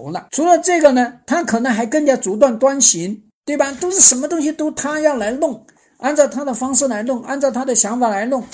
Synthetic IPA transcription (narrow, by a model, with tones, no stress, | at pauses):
lə̰˧ʈ͡ʂʰu˧˥lə˧ʈ͡ʂɤ˥˩ɡə˩nə˩t̪ʰa˥kʰɤ˨˩nɤ˧˥ŋxa˧˥ɪkə˥˩ŋt͡ɕja˥t͡su˧˥t̪̬wa˥˩nt̪wa˥nɕi˧˥ŋ | t̪we˥˩ɪbɐ˩t̪o˥ʊʂɻ̩˥˩ʂə˧˥nmə˧t̪ʊ˥ŋɕ̬i˧t̪o˥ʊt̪ʰa˥jɑ˥˩ʊla˧˥ɪlʊ˥˩ŋ | a˥˧nt͡sɑ˥˩ʊt̪ʰa˥d̪ə˨fɑ˥ŋʂɻ̩˥˩la˧˥ɪlʊ˥˩ŋʔa˥˧nt͡sɑ˥˩ʊt̪ʰa˥d̪ə˨ɕjɑ˧˥ŋfa˨˩la˧˥ɪlʊ˥˩ŋ